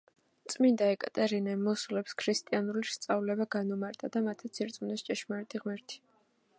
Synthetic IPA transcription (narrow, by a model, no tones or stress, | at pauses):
t̪sʼmind̪aɛkʼat̪ʼɛɾinɛmːɔsulɛpskʰɾist̪ʼianulist̪sʼavlɛbaɡanumaɾt̪ʼad̪amat̪ʰat̪sʰiɾt̪sʼumnɛst͡ʃʼɛʃmaɾɛt̪ʼiʁmɛɾt̪ʰi̥